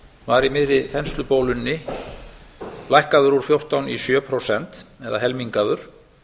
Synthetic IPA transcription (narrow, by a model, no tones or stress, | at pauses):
vaɾimɪðɾɪθɛnst̪lʏpoːwlʏnːɪ | lajhkaðʏɾuɾ̥fjowr̥t̪awnisjœːpʰɾowsɛnt̪ɛða̰ɦɛlmiŋkaðʏɾ̥